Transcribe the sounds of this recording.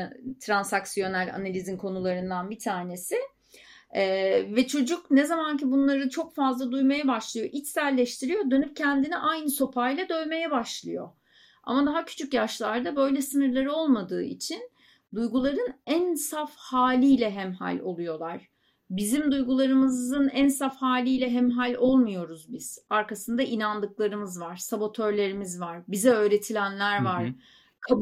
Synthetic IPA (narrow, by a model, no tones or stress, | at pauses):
t̪ʰɾansaksijo̞nalʲa̰nalʲizinkʰo̞nulˠaɾɯnd̪anbit̪ʰaːne̞sɪ | ɛːvɛt͡ʃʰo̞d͡ʒuknɛzamancibunlˠaɾɯt͡ʃʰo̞kfazlˠad̪ujmajabaʃlˠɯjo̞ʔit͡ʃ̪sælʲːɛʃt̪ʰiɾijo̞d̪ø̞nyp̚cʰɛnd̪iniʔajnɯso̞pʰajlʲˠɛd̪ø̞jme̞jɛbaʃlˠɯjo̞̰ | a̰mad̪aɦacʰy̥t͡ʃʰycjaʃlˠaɾd̪abø̞jlʲɛsɯnɯɾlˠaɾo̞lˠmad̪ɯːḭt͡ʃʰin | d̪ujɡulˠaɾɯnænsafhaːlʲijlʲɛɦɛmha̰lʲo̞̰lˠujo̞lˠaɾ̥ | bizimd̪ujɡulˠaɾɯmɯzɯnænsafhaːlʲijlʲɛɦɛmɦalʲo̞lˠmujo̞ɾuzbiz̥aɾkasɯnd̪aʔinand̪ɯklˠaɾɯmɯzvaɾ̥sabo̞t̪ʰø̞ɾlʲe̞ɾimizvaɾbizɛø̞ːɾe̞t̪ʰilʲænlʲæɾvaɾ̥ | kʰa